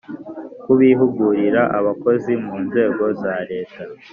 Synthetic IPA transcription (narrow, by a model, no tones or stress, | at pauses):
kuβiɦuɡuɾiɾaʔaβako̞zimuːnze̞ːɡo̞zaɾe̞ːta